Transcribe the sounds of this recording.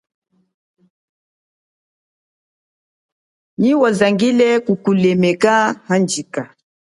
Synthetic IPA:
ɲiwɔzaŋɡilɛkukulɛmɛkahand͡ʒika

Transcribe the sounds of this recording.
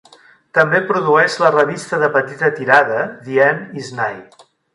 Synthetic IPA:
t̪əmbepɾuðuɛʃlərəβ̞ist̪əðəpət̪it̪ət̪iɾaðəðiɛniznaj

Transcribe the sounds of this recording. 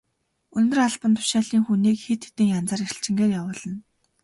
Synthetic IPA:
ɵnt̪ɵ̆raɮpə̆nt̪ʰʊ̥ʃaːɮiːŋxuniːkxit̪xe̥t̪ɘ̆ŋjant͡saːɾixɘ̆ɬt͡ɕɪ̆ŋɡeːrjawʊːɮə̆n

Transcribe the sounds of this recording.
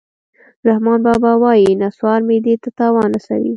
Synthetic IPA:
ɾahmɑnbɑbɑwɑjinaswɑɾmed̪et̪at̪ɑwɑnasa̰wḭ

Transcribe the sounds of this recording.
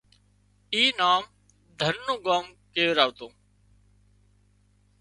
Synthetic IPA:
iːnaːm | d̪ʱəɾnoːɡaːmkeːʋɾaːʋt̪oː

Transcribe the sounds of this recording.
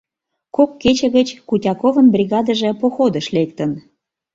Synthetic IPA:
kokːet͡ɕə̆ɣət͡ɕkutʲɑkovə̆mbrʲiɣɑd̪əʒə̆poxod̪əʃlek̚t̪ən

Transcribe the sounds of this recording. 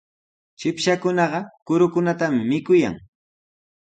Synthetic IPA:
t͡ʃɪpʃakʊnɑɢɑkʊɾʊkʊnat̪amɪmɪkʊja̰ŋ

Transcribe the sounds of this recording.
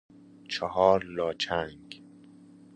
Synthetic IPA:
t͡ʃʰɔɦɒːɾlɒːt͡ʃʰæŋɡ

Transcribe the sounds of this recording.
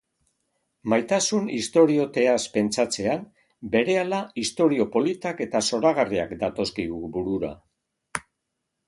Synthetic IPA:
majt̪asunist̪o̞ɾio̞t̪e̞aspe̞nt͡sat͡se̞an | be̞ɾe̞alaist̪o̞ɾio̞po̞lit̪ake̞t̪aso̞ɾaɣ̞aria̰kd̪at̪o̞skiɣubuɾuɾa̰

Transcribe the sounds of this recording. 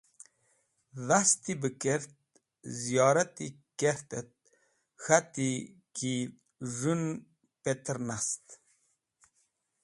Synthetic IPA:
ðast̪ibəkeɾt̪̚ | zijɑːɾat̪i | keɾt̪ət̪̚ | xat̪i | ki | ʐun | pet̪əɾnast̪

